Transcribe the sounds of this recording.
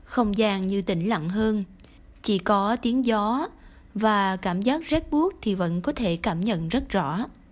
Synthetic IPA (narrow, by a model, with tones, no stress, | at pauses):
xə˧wŋ͡mzaː˨˩ŋɲɨ˧t̪ï˧˩ŋ̟lə̰˧˨ŋɦəː˧n | t͡ɕi˧˩kɔ˨˦t̪i˨˦əŋzɔ˨˦ | vaː˨˩kaː˧˩mzaː˦˥k̚zɛ˦˥t̚ɓu˦˥ək̚t̪ʰi˨˩və̰˧˥nkɔ˨˦t̪ʰe˧˩kaː˧˩mɲə̰˧˨nzə˦˥t̚zɔ̰˧˥